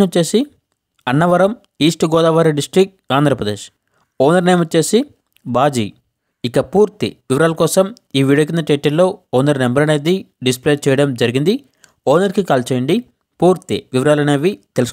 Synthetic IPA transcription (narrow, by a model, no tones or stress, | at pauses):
ɐt͡ʃːe̞ːsi | ɐnːɐʋɐɾɐm | iːsʈɡɔːd̪aːʋaːɾiɖisʈɾik̚ʈaːnd̪ʱɾɐpɾɐd̪e̞ːʃ | ɔːnɐɾneːmɐt͡ʃːe̞ːsi | baːd͡ʒiː | ikɐpuːɾt̪iʋiʋɐɾaːlɐkɔːsɐm | iːʋiɽɐk̬ːind̪ɐʈeːʈːɐlːo̞ːɔːnɐɾnembɐɾɐneːd̪iɖispleːt͡ʃɛːjɐɽɐmd͡ʒɐɾiɡind̪i | ɔːnɐɾkikɐːlt͡ʃejɳɖi | puːɾt̪iʋiʋɾaːlɐneʋːit̪els